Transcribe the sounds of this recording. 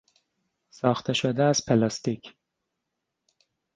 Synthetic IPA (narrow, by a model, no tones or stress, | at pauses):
sɒːxt̪ʰeʃod̪eæz̥pʰelɑst̪icʰ